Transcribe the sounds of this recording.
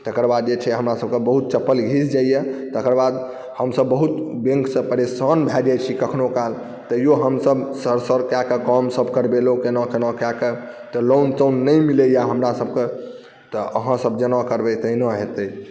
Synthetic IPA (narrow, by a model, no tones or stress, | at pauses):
t̪əkəɾbad̪̚d͡ʒet͡ʃʰɛɦəmɾasəb̚kebəɦut̪̚t͡ʃəpːəlɡʱisd͡ʒaijɛt̪əkəɾbad̪ | həmsəbːəɦut̪bẽŋksə̃pəɾesanbʱɛd͡ʒajt͡ʃʰikəkʰnokal | t̪əjoɦəmsəbsəɾsəɾkakekɔmsəbkəɾbelokenakenãkakə | t̪ɔlont̪ənːəjmilejaɦəmɾasəbke | t̪ɔʔəɦãsəb̚d͡ʒənãkəɾbɛt̪əinəɦet̪ə